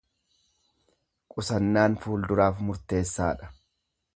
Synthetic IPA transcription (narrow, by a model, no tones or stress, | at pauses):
kʼʊsɐnːaːnfuːld̪ʊɾaːfmʊɾt̪e̞ːsːaːᶑɐ̥